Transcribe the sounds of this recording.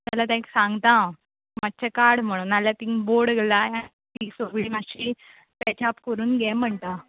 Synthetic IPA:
malat̪ãiksãŋɡt̪ã | mat̚t͡ɕakaɾɽm̤əɽ̃uːnaljat̪ĩŋboɽɡelaan | t̪isoɡɭiːmaɕi | t̪at͡ɕapkəɾuːnɡjɛm̤əɳt̪a

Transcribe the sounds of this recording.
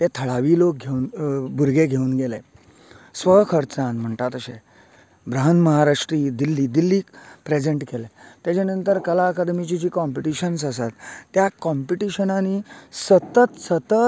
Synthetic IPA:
t̪et̪ʰəɭaʋiːlok̚ɡʱeuːnbʱuɾɡeɡʱeuːnɡele | sʋəkʰəɾt͡sãnm̤əɳt̪at̪əɕe | bɾaɦənməɦaɾaʂʈɾiːd̪ilːiːd̪ilːiːkpɾed͡zeɳʈkelet̪jat͡ɕenənt̪əɾkəlaəkad̪mit͡ɕit͡ɕiːkɔmpiʈiɕəns̬əsat̪ːjakɔmpiʈiɕənaniːsət̪ət̪sət̪ə

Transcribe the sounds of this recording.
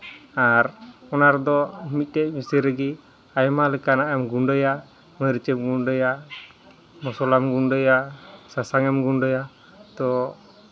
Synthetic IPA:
aɾɔnaɾd̪ɔmit̪̚ˀtɛc̚misɛɾɛɡi | ajɔmalɛkanaʔɛmɡuɳɖəja | mɔjɾit͡ʃɛmɡunɖɔja | mɔsɔlamɡunɖɔjasasaŋɛmɡunɖɔja | t̪ɔ

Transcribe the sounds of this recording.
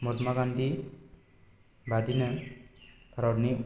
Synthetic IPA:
mot̪maɡand̪i | bad̪inə | pɾaɾni

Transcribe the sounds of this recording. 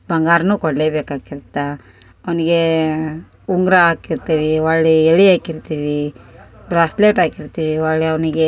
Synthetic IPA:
bɐŋɡaːɾnuːkɔɽleːbeːkaːɡiɾt̪ːa | ɐʋɐniɡe̞ | uŋɡɾaaːkiɾt̪iːʋiʋaɭɭeeɭiaːkiɾt̪iːʋi | bɾaːsleːʈaːkiɾt̪iːʋiʋaɭɭeɐʋɐniɡe

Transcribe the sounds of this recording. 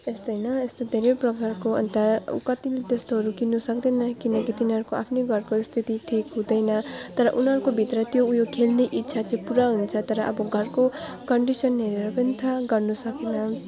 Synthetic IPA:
est̪ʌjnʌest̪od̪ʱeɾeprʌkarkoʌ̰nt̪ʌ̰kʌt̪ilet̪est̪oɦʌɾukinːusʌk̚d̪ʌnʌkinʌkit̪inʌɾukoʔapʰneɡʱʌrkost̪ʰit̪iʈʰikɦũd̪ʌjnʌt̪ʌɾʌʔunɦʌɾukobʱit̪rʌt̪joujokʰelneʔitːsʰat͡sʌĩpuɾaɦunt͡sʰʌt̪ʌɾʌʔʌ̰bʌɡʱʌrkokʌɳɖisʌnɦeɾeɾʌpʌnit̪ʰaɡʌrnusʌkenʌ

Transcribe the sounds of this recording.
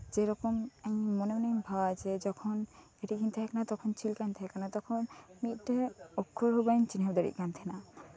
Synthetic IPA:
d͡ʒɛɾɔkɔmãɲmɔnɔmɔnɔmbʱawad͡ʒɛd͡ʒɔkʰɔn | eʈikʰint̪ʰɛɦɛkanat̪ɔkʰɔnt͡ʃilkant̪ʰɛɦɛkanat̪ɔkʰɔnmit̪̚ˀʈɛɔkʰːɔɾɦubajnt͡ʃinɦɔbd̪ɔɽḭʔ̪̚kant̪ʰɛna

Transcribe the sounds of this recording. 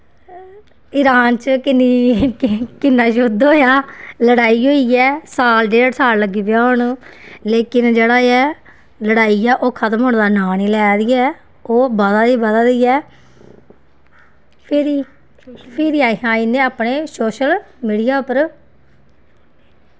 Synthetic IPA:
ɪɾaːnt͡ʃəkɪniː | kɪnːaːʃʊd̪oːjaːləɽaːiːɦoːiːɛːsaːlɖeːəʈsaːlləɡiːpjaːɦʊɳːleːkɪnd͡ʒeːɽaːɛː | ləɽaːiɛːʔoːkʰət̪əmɦʊːɳd̪aːnaːniːlɛːd̪iːɛː | oːbəd̪aːiːbəd̪aːd̪iːɛː | pʰɪɾi | pʰɪɾiaːɦãːiːnẽːaːpneːsoːʃəl | miːɽiːaːʊpəɾ

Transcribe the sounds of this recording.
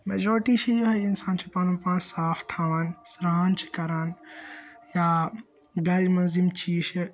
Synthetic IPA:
meːd͡ʒɔːɾʈiʃɐjoɦɐɪnsaːnt͡ʃʰipaːnũpãːsaːft̪ʰaːʋaːnsɾaːnt͡ʃʰi̥kɐɾaːn | ja | ɡɐɾimɐzimt͡ʃʰiːʃe

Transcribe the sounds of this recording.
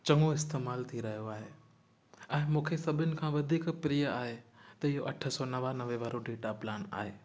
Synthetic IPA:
t͡ɕɐ̃ŋɡoɪst̪eːmaːlt̪ʰiɾɐɦijoaːɦe | ɛ̃ːmũːkʰesɐbʱɪnɪ̆kʰãːʋɐd̪ʱiːkpɾijəaːɦet̪ɐɪɦoʔɐʈʰə̆sɔnɐʋanɐʋeʋaːɾoɖeːʈaplaːna̰ːɦeː

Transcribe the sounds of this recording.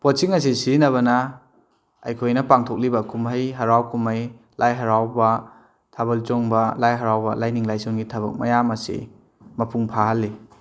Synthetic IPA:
pɔt͡ʃiŋɐs̬isinɐβɐna | a̰jkʰojnɐpaŋtʰɔk̚libɐkumɦajɦɐɾawkumaj | lʔajɦaɾawba | tʰabɐlt͡ʃɔŋbalajɦaɾawbɐlajniŋlajsɔŋɡitʰɐβɐ̰k̚mɐ̰jamɐsḛ | mɐpʰuŋpʰaɦalːi

